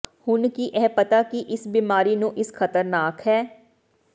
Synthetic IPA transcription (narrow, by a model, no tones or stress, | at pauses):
hʊnkiʔɛːpət̪akiʔɪsbiːmaːɾinũʔɪsxʰɐt̪əɾnaːkɦɛː